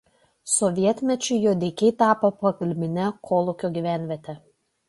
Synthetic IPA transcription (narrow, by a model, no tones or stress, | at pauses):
sɔʋʲiɛt̪ʲmʲɛt͡ʃʲʊɪjoːd̪ʲɛɪkʲɛɪt̪ɑːpopɐkɐlʲmʲɪnʲɛkʰoːlˠʊkʲoːɡʲiːˑʋʲæːˑnʲʋʲiɛt̪ʲɛ